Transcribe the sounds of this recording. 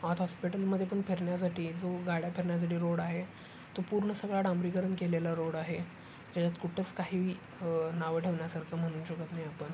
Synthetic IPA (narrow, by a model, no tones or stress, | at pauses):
ɔt̪ɦɔspiʈəlməd̪ʱːjep̬əɳpʰeɾɳjasaʈʰiːd͡zoɡaɽjapʰeɾɳjas̬aʈiːɾoɽaɦe | t̪opuɾɳəsəɡɭaɽãmbɾikəɾənkelelaɾoɽaɦe | d͡ʑat͡ɕat̪kuʈʰət͡skaɦiːʋiː | naʋəʈʰeʋɳjasaɾkʰam̤əɽ̃uːnɕəkət̪najapəɳ